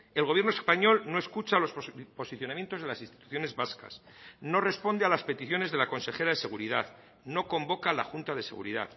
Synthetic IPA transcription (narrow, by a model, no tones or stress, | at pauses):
elɣoβjenoespaɲo̞lno̞e̞skut͡ʃalo̞spo̞siθjonamje̞nt̪o̞zðelasinst̪it̪u̥θjo̞ne̞zβaska̰s | no̞re̞spo̞nd̪ealaspe̞t̪iθjo̞ne̞zðelako̞nse̞xe̞ɾaðe̞se̞ɣ̞uɾiðað | no̞ko̞mbo̞kalaxunt̪aðe̞se̞ɣṵɾḭða̰ð